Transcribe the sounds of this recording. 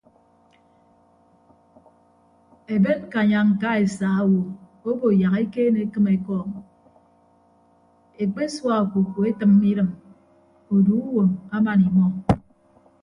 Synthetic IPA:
e˨be˦n˦ka˨ɲa˨ŋ̩˨ka˦e˨saː˨a˦wo˨ | o˦bo˨ja˨ke˦keː˦ne˨˦kɨ˦me˨kɔː˦˨ŋ | e˨k͡pe˦swa˦o˨ku˨ku˨e˦tɨ˨mː˦i˦ɾɨ˨m | o˨du˨˦u˦wo˨ma˦ma˨ni˨mɔ˦

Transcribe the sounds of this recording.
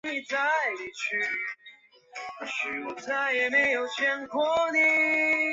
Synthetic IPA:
i˧t͡sa˥˩ɪ˨t͡ɕʰy˥˩ | ɕy˩ɔ˨˩t͡sa˥˩ɪjɛ˨˩me˧˥ɪjo˨˩ʊt͡ɕʰjɛ˥nkʰwɔ˧˥ni˧

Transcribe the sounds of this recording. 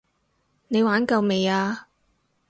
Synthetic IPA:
ne˨˧jwaː˨˥nkɐ˨˧wme˨jaː˧

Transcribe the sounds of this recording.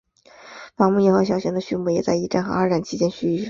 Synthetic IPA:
fɑ˧˥ŋmu˥˧jɛ˥˩xɤ˧˥ɕjɑ˨˥ʊɕɛ˧˥d̪ə˧ɕy˥˧nmu˥˩jɛ˨˩t͡sa˥˧ɪi˥˩ʈ͡ʂa˥˩nxɤ̰˧˥a˞˧˥ʈ͡ʂa˨˩nt͡ɕʰi˧˥t͡ɕjɛ˥nɕy˥˩

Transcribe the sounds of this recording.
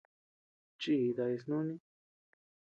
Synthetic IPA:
t͡ʃi˧˨˧ða˧i˧s̬nũ˦nĩ˦

